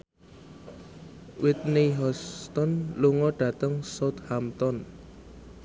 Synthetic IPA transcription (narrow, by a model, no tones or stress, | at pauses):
wʔɪt̪̚neɦɔst̪ɔnluŋɔɖ̥ä̤t̪əŋsat̪hamt̪ɔn